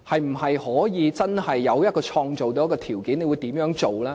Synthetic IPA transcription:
hɐ˨jm̩˨˩hɐ˨jhɔː˨˥jiː˨˧t͡sɐ˥nhɐ˨jːɐ˨˧wjɐ˥t̚kɔː˧t͡ʃʰɔː˧ŋt͡so˨wt̪o˧˥jkɔː˧t̪ʰiː˨˩wkiː˨˥ne˨˧wu˨˧jt̪iː˨˥mjœː˨˥ŋt͡ʃo˨˩wlaː˥

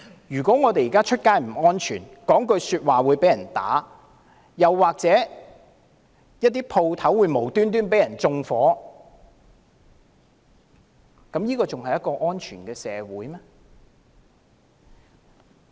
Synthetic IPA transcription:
jyː˨˩kʷɔː˨˥ŋɔː˨˧t̪e˨jiː˨˩kaː˥t͡ʃʰɵ˥t̚kaː˥jm̩˨˩ɔː˥nt͡ʃʰy̰ː˨˩nkɔː˨˥ŋkɵ˧ɥsyː˧t̚waː˨wuː˨˧jpe˨˥jɐ˨˩nt̪a̰ː˨˥ | jɐ˨wːaː˨k̚t͡sɛː˨˥ | jɐ˥t̚t̪iː˥pʰo˧wt̪ʰɐ˨˥wːuː˨˧jmo˨˩wt̪yː˥nt̪yː˥np̬e˨˥jɐ˨˩nt͡sʊ˧ŋfɔː˨˥ | kɐ˨˥mjiː˥kɔː˧t͡sʊ˨ŋhɐ˨jɐ˥t̚kɔː˧ʔɔː˥nt͡ʃʰyː˨˩nkɛː˧sɛ̰ː˨˧wuː˨˥jmɛː˥

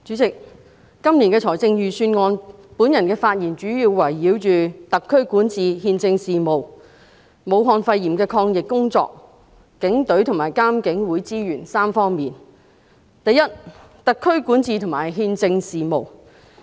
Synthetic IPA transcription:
t͡ʃyː˨˥t͡sɪ˨k̚ː | ɐ˥mli˨˩nkɛː˧t͡sʰɔː˨˩jt͡sɪ˧ŋjyː˨syː˧nŋɔː˧npuː˨˥njɐ˨˩nkɛː˧faː˧t̚jiː˨˩nt͡ʃyː˨˥jiː˧wːɐ˨˩jːiː˨˥wt͡ʃyː˨t̪ɐ˨kʰːɵ˥ɥkuː˨˥nt͡siː˨hiː˧nt͡sɪ˧ŋsiː˨mo˨w | mo˨˧wɦɔː˨˧nfɐ˧jiː˨˩mkɛː˧kʰɔː˧ŋjɪ˨kkːʊ˥ŋt͡sɔ̰ː˧k̚ | kɪ˨˥ŋt̪ɵ˨˥ɥt̪ʰʊ˨˩ŋmaː˨˩jkaː˥mkɪ˨˥ŋwuː˨˥jt͡siː˥jyː˨˩nsaː˥mfɔː˥ŋmiː˨n | t̪ɐ˨jɐ˥t̚ | t̪ɐ˨kʰːɵ˥ɥkuː˨˥nt͡siː˧t̪ʰʊ˨˩ŋmaː˨˩jɦiː˧nt͡sɪ˧ŋsiː˨mo˨w

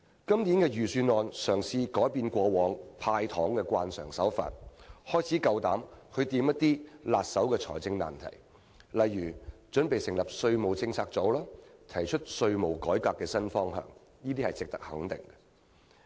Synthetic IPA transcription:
kɐ˥mniː˨˥nkɛː˧jyː˨syː˧nɔː˨˧nsœː˨˩ŋsiː˧kɔː˨˥jpiː˧nkʷɔː˧wɔː˨ŋpʰaː˧jt̪ʰɔː˨˥ŋkɛ˧kʷwaː˧nsœ̰ː˨˩ŋsɐ˨˥wfa̰ː˧˨t̚hɔː˥jt͡sʰiː˨˥kɐ˧wt̪aː˨˥mhɵ˧t̪iː˧mjɐ˥t̚t̪iː˥laː˨t̚sɐ˨˥wkɛː˧t͡sʰɔ̰ː˨˩jt͡sɪ˧ŋna̰ː˨nt̪ʰɐ̰˨˩j | lɐ˨jːyː˨˩t͡ʃɵ˨˥npe˨jsɪ˨˩ŋlɐ˨p̚sɵ˧ɥmo˨˩wt͡sɪ˧ŋt͡sʰaː˧k̚t͡so˨˥wlaː˥t̪ʰɐ˨˩jt͡ʃʰɵ˥t̚sɵ˧ɥmo˨˩wkɔː˨˥jkaː˧kːɛː˧sɐ˥nfɔː˥ŋɦœ̰ː˨˩ŋ | jiː˥t̪iː˥hɐ˨jt͡sɪ˨k̚t̪ɐ̥˥k̚hɐ˨˥ŋt̪ɪ˨ŋɡɐ̥˧

